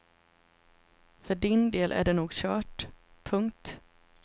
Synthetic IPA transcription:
fœɖɪnd̪eːlʔæ̰ɖɛnuːɡɕœːʈ | pʰɵŋkt̪

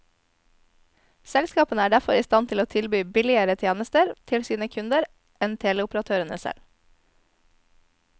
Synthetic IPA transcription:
sɛlskɑːpənəæːɖæfɔɾiːst̪ɑnt̪ʰɪloːt̪ʰɪlbyːbɪlɪəɾət̪ʰjeːnəst̪əɾt̪ʰɪlsiːnəkʰʉnd̪əɾ | ɛnt̪ʰeːlɛʊpɾɑt̪ʰøːɾənəsɛ̰l

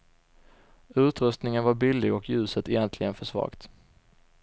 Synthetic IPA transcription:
ʉ̟ːt̪ɾɵst̪nɪŋənvaɾbɪlːɪɡɔkjʉ̟ːsət̪ɛjɛnt̪ʰlɪɡənfœʂvɑ̰ːɡt̪

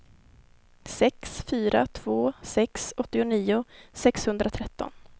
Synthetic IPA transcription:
sɛksfyːɾa̰t̪ʰv̥oːsɛksɔt̪ːɪʊniːʊsɛkshɵnd̪ɾat̪ʰɾɛt̪ːɔ̰n

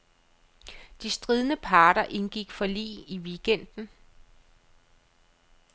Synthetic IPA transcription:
d̥isd̥ʁið̞ˠnəpʰɑ̈ːɾ̥ɐʔe̝nɡ̥iɡ̥fɒ̽lḭːiʋiɡ̥en̰d̥n̩

